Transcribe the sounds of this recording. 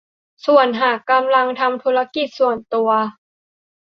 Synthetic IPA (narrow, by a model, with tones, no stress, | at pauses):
su˨˩ənɦaː˨˩kkːa˧mla˧ŋt̪ʰa˧mt̪ʰuː˦˥ɾa˧ki˨˩t̪̚su˨˩ənt̪u˧ɐ